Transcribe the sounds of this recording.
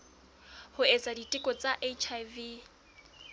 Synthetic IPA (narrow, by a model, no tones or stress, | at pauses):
hʊet͡sʼaditʼɪkʼɔt͡sʼaʔet͡ʃʰajvi